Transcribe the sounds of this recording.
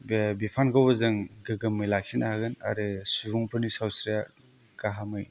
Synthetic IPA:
bbipʰankʰawbɐzɯŋɡɯɡɯmːɯjlak̚sinahaɡɯna̰ɾɯsuɾuŋpʰɯnisawsɾija | kaɦamɯj

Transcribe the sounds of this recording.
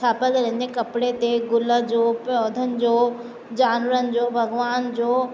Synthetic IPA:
aːpəlɾə̃d͡ʑekɐpɽet̪eɡʊləd͡ʑoːpjɔːd̪ʱənɪ̆d͡ʑoː | d͡ʑaːnʋəɾənɪ̆d͡ʑoːbʱɐɡʋaːnd͡ʑoː

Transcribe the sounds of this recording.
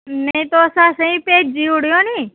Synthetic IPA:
nəĩt̪oəsãsə̃ĩpeːd͡ʒ̚d͡ʒiʋɽjõnĩː

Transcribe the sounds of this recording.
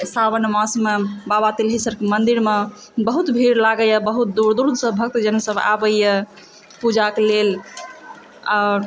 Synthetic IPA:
sabənmãsmebabat̪ilɦisəɾkemənd̪iɾme | bəɦut̪bʱiɾlaɡəjəbəɦut̪̚d̪uɾd̪uɾd̪ʱsəbʱək̚t̪d͡ʒənsəba̰bəjjə | pud͡ʒakelel | aʊɾ

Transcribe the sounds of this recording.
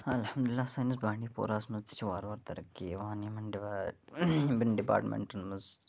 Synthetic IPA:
haɐlhɐmd̪ʊlɪlːaːsaːnisbaːɳiːpo̰ːɾaːsmɐzt̪i̥t͡ʃʰiʋaːɾʋaːɾt̪ɐɾɐkːiʋanimɐnɖa | bɪnɖipa̰ːɾʈmḛ̃ɳʈɐnmɐz

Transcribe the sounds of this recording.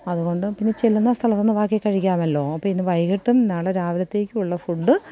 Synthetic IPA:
ɐðuɣo̞ɳɖɨpinːe̞t͡ɕelːunːɐst̪ʰɐlɐt̪ːonːɨʋaːkːjekːɐɻikʲːaːmɐlːo̞ːɐpːɐːinːɨʋɐjɣɐʈːumnːaːɭeɾaːʋɾɐt̪ːe̞ːkʲːɨuɭːɐfuɖːɨ

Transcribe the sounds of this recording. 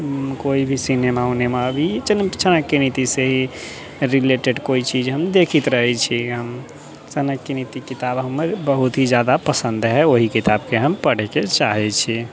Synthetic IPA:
koibʱisinemaunemabʱit͡ʃənt͡ʃənəkːenit̪iseɦi | ɾileʈeɖkoit͡ʃid͡ʒɦəmd̪ekʰit̪ɾəɦɛt͡ʃʰiɦəm | t͡ʃənəkːenit̪ikit̪abɦəmːebəɦut̪ɦid͡ʒjad̪apəsə̃nd̪ɦɛoɦikit̪abkeɦəmpəɽ̤ɛket͡ʃaɦɛt͡ʃʰi

